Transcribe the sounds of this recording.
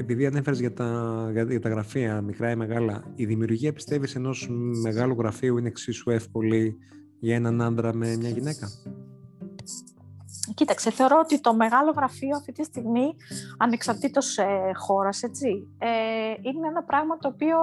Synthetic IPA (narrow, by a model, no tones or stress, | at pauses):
e̞piðiɐne̞feɾezʝɐt̪ɐʝɐʝɐt̪ɐɣɾɐfiɐmikɾɐime̞ɣɐlɐiðimiuɾʝiɐpi̥st̪e̞vise̞no̞sme̞ɣɐluɣɾɐfiuineksisue̞fko̞li | ʝɐe̞nɐnɐnd̪ɾɐme̞mɲɐʝine̞kɐ | cit̪ɐkseθe̞o̞ɾo̞ot̪it̪o̞me̞ɣɐlo̞ɣɾɐfioɐft̪i̥t̪ist̪iɣmiɐne̞ksɐɾt̪it̪o̞sxo̞ɾɐse̞t͡sieineenɐpɾɐɣmɐt̪o̞ːpio̞